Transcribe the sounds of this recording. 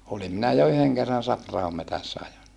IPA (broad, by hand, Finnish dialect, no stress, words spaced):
olim minæ jɑ yheŋ kerːɑn sɑprɑhom metæsːæ ɑjon